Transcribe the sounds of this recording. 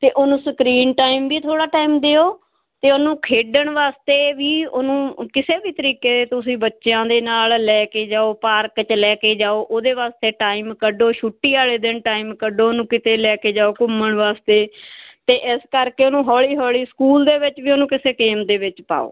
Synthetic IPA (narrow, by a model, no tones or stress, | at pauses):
t̪eːʔoːnũːsəkɾiːnʈaːimʋiːt̪ʰoːɽaːʈaːiːmd̪eːoː | t̪eːoːnũːkʰeːɖəɳʋaːst̪eːʋiːonũːkɪseːbiːt̪əɾiːkeːd̪eːt̪ʊsĩːbətːʃjãːd̪eːnaːllɛːkeːd͡ʒaːoːpaːɾkt͡ʃlɛːkeːd͡ʒaːoːʔoːd̪eːʋaːst̪eːʈaːiːmkəɖoːʃʊʈːiːaːleːd̪ɪɳʈaːiːmkəɖoːonũːkɪt̪eːlɛːkeːd͡ʒaːoːkʊmːəɳʋaːst̪eːt̪eːʔɪskəɾkeːoːnũːɦɔːɭiːɦɔːliːskuːld̪eːʋɪt͡ʃʋiːonũːkɪseːkeːmd̪eːʋɪt͡ʃpa̰ːo̰ː